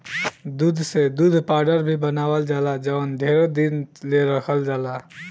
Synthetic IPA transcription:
d̪uːd̪ʱsed̪ud̪ʱpaːɾɖəɾbʱibənaːwəld͡ʒaːlad͡ʒaʊnɖ̪ʱeːɾod̪inleɾəkʰəld͡ʒaːla

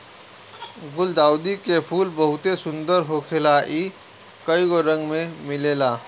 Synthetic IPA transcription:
ɡʊld̪aːwd̪ikepʰuːlbəɦʊt̪esʊ̃nd̪əɾɦoːkʰelaʔiː | kəiɡoɾə̃ŋɡmẽmɪleːlaː

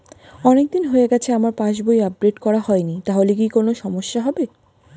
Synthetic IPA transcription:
ɔnek̚d̪inɦoeɡɛt͡ɕʰeamaɾpãʃbojap̚ɾeʈkɔɾahɔenit̪aɦolek̬ikonoʃɔmoʃːaɦɔbe

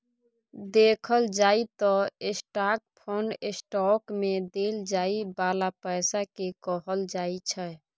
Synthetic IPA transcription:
d̪ekʰəld͡ʒait̪ɔesʈaːk̚pʰonɖesʈɔkmed̪eld͡ʒaibaːlapəɪsakekɔɦəld͡ʒait͡ʃʰə

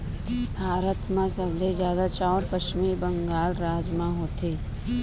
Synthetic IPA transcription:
bʱaːɾət̪mãsəbled͡ʒjaːd̪at͡ʃaɔɾpət͡ʃɪmibə̃ŋɡaːlɾaːd͡ʒmãɦoːt̪eː

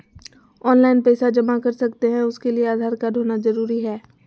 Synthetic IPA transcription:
ɔːnlaːɪnpɛːsad͡ʒɐmakɐɾsɐkt̪eɦɛ̃ʊskelieaːd̪ʱaːɾkaɖ̪ʱoːnazɐɾuːɾiɦɛː

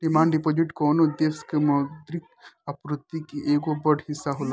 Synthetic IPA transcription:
ɖimaːɳɖɖipoːd͡ʒiʈkoːnod̪eskemɐd̪ɾik̚ | ɐpɾut̪ːikiʔeːɡobɐɖhisːaɦola

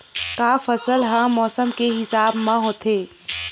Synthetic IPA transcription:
kaːfɐsəlɦãmɔːsəmkeɦɪsaːbmãɦoːt̪ʰeː

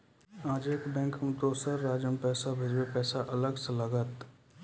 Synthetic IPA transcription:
aːd͡ʒeːkbɛ̃ːŋkmt̪oːsəɾːaːd͡ʒəmpɛːsabʱɪd͡ʒwepɛːsaʔɐləɡsələɡət̪

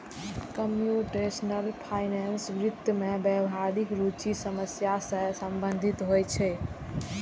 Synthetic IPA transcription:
kəmjuʈesnəlpʰajnensʋɾit̪jəmebɛbɦaɾikɾut͡ʃisəməsjasəsəmbənd̪ʱit̪ɦojt͡ʃʰɛ

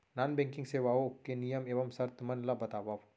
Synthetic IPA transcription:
naːnbɛ̃ːŋkɪ̃ŋɡseːʋaːoʊkːenijəmeːʋɐmsɐɾt̪mɐnlabɐt̪aːʋaːʋ

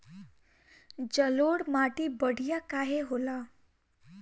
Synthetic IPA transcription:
d͡ʒəloɽmaʈibəɽ̤ʱijakaɦeɦola

